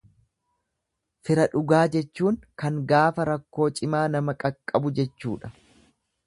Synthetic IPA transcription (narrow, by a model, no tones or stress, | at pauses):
fɪɾɐᶑʊɡaːd͡ʒɛt͡ʃːuːŋkɐŋɡaːfɐɾɐkːo̞ːt͡ʃʼɪmaːnɐmɐkʼɐkʼːɐbʊd͡ʒɛt͡ʃːṵːᶑɐ̥